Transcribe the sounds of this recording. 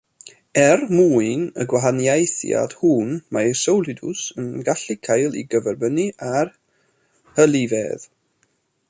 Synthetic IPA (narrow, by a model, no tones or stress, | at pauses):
ɛrmuːɨnəɡwaɦanjajθja̰d̥huːnmajsəwlˠɪdʊsənɡaɬikʰajlˠḭɡəvɛrbəniar | həlˠivɛð̥